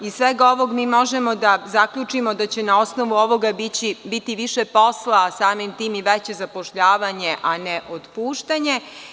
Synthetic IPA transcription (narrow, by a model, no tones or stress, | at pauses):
isʋeɡao̞ʋo̞ɡmiːmo̞ʒemo̞d̪azakʎut͡ʂimo̞d̪at͡ɕenaosno̞ʋuo̞ʋo̞ɡabit͡ɕibit̪iʋiʃepo̞slasaːmimt̪iːmiʋet͡ɕe̞zapoʃʎaːʋaɲe̞ʔaneʔot̪puːʃt̪aɲe̞